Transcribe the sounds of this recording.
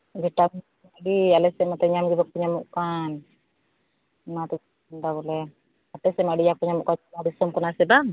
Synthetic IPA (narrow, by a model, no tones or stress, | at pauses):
ɡɛʈa | maɖialɛsɛmat̪ɛɲamɡibakuɲamuʔkan | nat̪ɛd͡ʒ | nɖabɔlɛ | at̪ɛsɛmaɖijakuɲamuʔkamaɖisɔmkɔnasɛba